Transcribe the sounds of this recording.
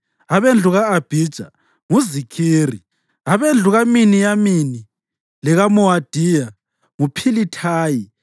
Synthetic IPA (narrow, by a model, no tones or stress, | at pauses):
aβend͡ɮʱuɣaːb̥ʱid̥ʒ̥ʱa̰ | ŋuzikʰiːri | aβend͡ɮʱuɣaminijamini | lɛɣamɔwad̥ʱija | ŋupʰilitʰaːji